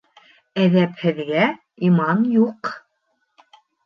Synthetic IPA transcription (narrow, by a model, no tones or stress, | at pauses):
æðæphɘ̆ðɡæ | imɑnjuq